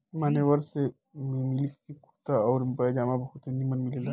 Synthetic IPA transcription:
maneʋəɾse | mimilikkikʰu̥t̪aɔːɾmpəjd͡ʒamabɐkut̪enimənmilela

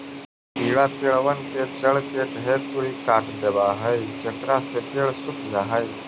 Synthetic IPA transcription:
piɭapeɭʋənket͡ɕəɭkeʈɦet̪uikaʈd̪ebaɦəjket̪ɾaset̪eɭsukʰzaɦaj

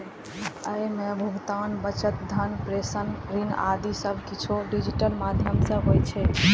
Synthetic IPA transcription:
əjmebʱuɡt̪anbət͡ʃət̪̚d̪ʱənpɾesənɾina̰d̪isəbʱkit͡ʃʰoɖid͡ʒiʈəlmad̪ʱjəmsəbɦojt͡ʃʰɛ

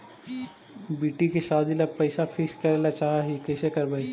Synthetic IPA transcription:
biːʈikesaːd̪ʱilapɐɪsapʰɪskɐɾelat͡ʃaːɦaɦikɛːsekɐɾbɐi

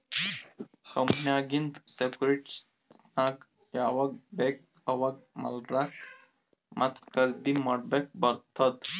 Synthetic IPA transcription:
səmnjaɡint̪sekɾeʈs | nak | jaʋɐk̚bɛk̚ | əʋak̚mɐ̰lɾa | mat̪kəɾd̪iməɽbek̚bəɾt̪ʰət̪

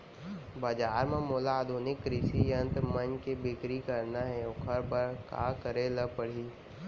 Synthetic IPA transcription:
bɐd͡ʒaːɾmẽmoːlaːd̪ʱuːnɪkːɾɪʃijɐ̃nt̪mɐnkebɪkɾikɐɾnaɦɛʊkʰəɾbəɾka̰kəɾeləpəɽ̤iː

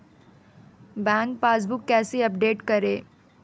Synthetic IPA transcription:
bɛ̃ːŋk̚paːs̬bʊkːɛːsiɐp̚ɖeːʈkɐɾeː

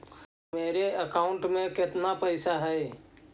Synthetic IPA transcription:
meːɾeəkaːʊ̃ɳʈmẽkɪt̪napəɪsaɦɛː

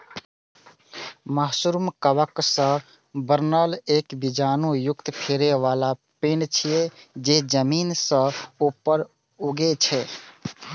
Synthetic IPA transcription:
məɦsuɾmkəʋəksə̃ | bəɾnəleːkbid͡ʒaːnujʊkt̪pʰeɾeʋala | peːɳt͡ʃʰijed͡ʒed͡ʒəmiːnsə̃opəɾ | uɡet͡ʃʰɛ

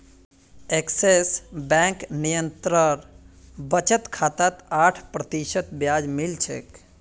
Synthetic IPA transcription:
eksesbɛ̃ŋknijənt̪ɾəɾbət͡ʃət̪kʰaːt̪at̪aːʈʰpɾət̪iʃət̪bjaːd͡ʒmilt͡ʃʰḛk

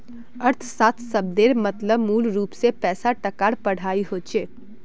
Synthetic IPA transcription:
əɾt̪ʰsaːt̪ʰsəb̚d̪eːɾmət̪ləbmuːlɾuːpsepɛːsaʈəkaːɽpɐɽ̤aːiɦoːt͡ʃʰeː

